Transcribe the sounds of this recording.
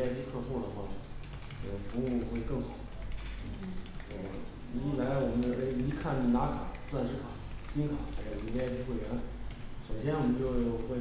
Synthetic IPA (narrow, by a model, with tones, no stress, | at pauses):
t͡ɕʰy˥˧kʰɤ˥˧xu˥˩d̪ə˩xwa˥˩ | ə˥˩fu˧˥u˥˧xwe˥˧ɪkɤ˥˩ŋxɑ˨˩˦ʊ˥˩ | ə˥˩ | u˧˥la˧˥ɪwɔ˨˩mə˦n˥˧˩i˧˥kʰa˥˩ni˧˩na˧˥kʰa˨˩˦t͡swa˥˧nʂɻ̩˧˥kʰa˨˩˦t͡ɕi˥nkʰa˨˩˦xa˧˥ɪʈ͡ʂo˧˩i˧˥˩pa˥˧t͡ɕʰy˥˧xwe˥˩ɪjɛ˧˥nʂo˨˩ʊɕ̬jɛ˥nwɔ˨˩mə˦nt͡ɕjo˥˧ʊxwe˥˩ɪ